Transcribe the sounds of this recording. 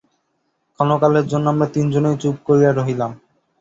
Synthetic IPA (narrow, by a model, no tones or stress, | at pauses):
kɔnokaleɾd͡ʑonːoamɾat̪ind͡ʑonejt͡ɕub̚koɾijaɾoɦilam